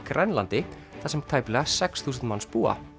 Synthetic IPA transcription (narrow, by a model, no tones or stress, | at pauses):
kɾɛnlant̪ɪ | θasɛmt̪ʰaːjplɛɣasɛksθuːs̬nmanspuːa̰